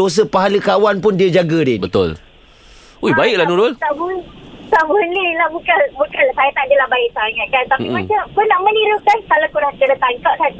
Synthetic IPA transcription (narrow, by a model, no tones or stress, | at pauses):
os̬əpaɦaləkawanpʊndiad͡ʒaɡədɪbət̪ʊ̰l | uibaɪk̚lanuɾʊlt̪abunsabunːilahbukanbukansajat̪andiəlahbaɪʔ̚saaŋaʔ̪̚kant̪apimat͡ʃamkunːaʔməniɾukansalakuɾaŋt̪ənat̪aŋkaʔkan